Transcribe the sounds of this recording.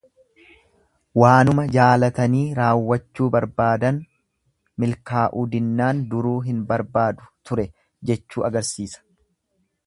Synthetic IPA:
waːnʊmɐd͡ʒaːlɐt̪ɐniːɾaːwːɐt͡ʃːuːbɐɾbaːd̪ɐn | mɪlkaːʔud̪ɪnːaːnd̪ʊɾuːɦɪnbɐɾbaːd̪ʊ̥t̪ʊɾɛ | d͡ʒɛt͡ʃːuːɐɡɐɾsiːsɐ̥

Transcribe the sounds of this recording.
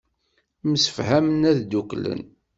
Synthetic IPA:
məsə̥fhæmənæðd̪uklə̰n

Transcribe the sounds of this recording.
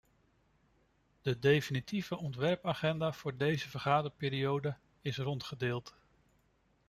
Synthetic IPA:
d̥ədejfənitivəʔɔntʋɛɹpaχɛndaːv̥ʊːɹdejzəvəɹχaːdəɹpɪːɾiowdə | ɪsrɔntχədɪːlˠt

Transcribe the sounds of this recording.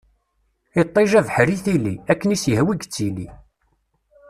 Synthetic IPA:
it̪ˤːeʒævħɾiθilːḭækːənisjəhwiɡt͡sːili

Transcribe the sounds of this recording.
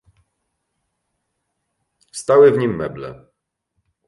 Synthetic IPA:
st̪awɘvɲimːɛblɛ̰

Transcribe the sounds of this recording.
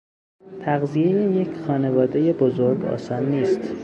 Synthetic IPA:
t̪ʰæɣzije̞jejecʰxɒːne̞vɒːd̪e̞je̞bozoɾɡɒ̰ːsɒːnːiːst̪

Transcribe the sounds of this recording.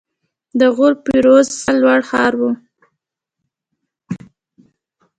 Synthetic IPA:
d̪əɣʊɾpiɾozsalwaɽxɑɾwu

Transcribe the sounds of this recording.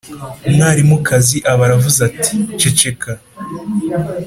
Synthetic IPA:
umŋaːɾimukaziʔaβaɾavuzatʰi̥t͡ʃe̞t͡ʃe̞ka

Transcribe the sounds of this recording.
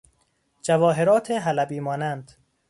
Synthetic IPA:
d͡ʒævɒːɦe̞ɾɒːt̪ʰeɦælæbiːmɒːnænd̪̥

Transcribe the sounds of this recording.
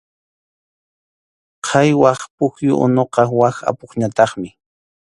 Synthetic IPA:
qʰɑjwɑχpʊkjʊ̰ʔʊ̰noqɑwaxa̰poχɲat̪ɑχmɪ

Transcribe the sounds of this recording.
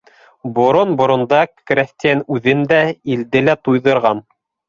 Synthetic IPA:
bŏɾonbŏɾŏnd̪ɑkɾæst̪ʲiænʉðɘnd̪æild̪ɘlæt̪ujðɤ̆ɾʁɑn

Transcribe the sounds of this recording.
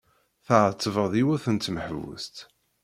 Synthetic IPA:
θəʕət̪ːvəʁðˤiwæθənt̪məħvə̰st̪

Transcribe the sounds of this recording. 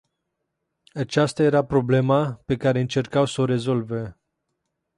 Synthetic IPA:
at͡ʃast̪aje̞ɾapɾo̞ble̞mape̞kaɾe̞ɨnt͡ʃe̞rkawso̞ɾe̞zo̞lve

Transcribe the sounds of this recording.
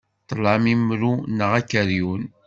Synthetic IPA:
t̪ˤːəlamimːɾunəʁækːəɾjun

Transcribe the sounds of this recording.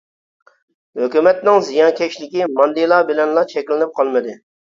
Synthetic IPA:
høkʲymɛt̪nɪŋzijɑnkʲʰɛʃlɪkʲimɑnd̪elˠɑːbɪlɛnlˠɑt͡ʃʰɛkʲlɪnɪp̚qʰɑlˠmɨd̪ɪ

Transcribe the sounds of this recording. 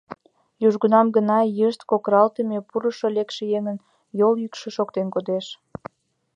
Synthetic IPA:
juʒɡunɑmɡənɑjəʃt̪kokɾɑlt̪əmepuɾəʃolekʃejeŋən | joljykʃĕʃokt̪enkod̪eʃ

